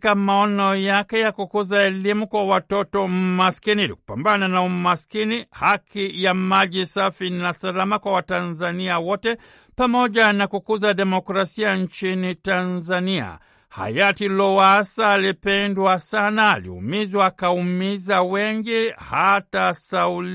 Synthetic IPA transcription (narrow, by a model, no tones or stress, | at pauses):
kamaɔnɔjakɛjakukuzaɛlimukwawatɔtɔmaskiniilḭku̥pambananaumaskinihakijamaʄisafinasalamakwawatanzaniawɔtɛ | pamɔʄanakukuzaɗɛmɔkɾasiaɲt͡ʃinitanzania̰ | ha̰jatilɔwasaːlipɛndwasana̰ːlḭṵmizwakaumizawɛŋɡihatasaul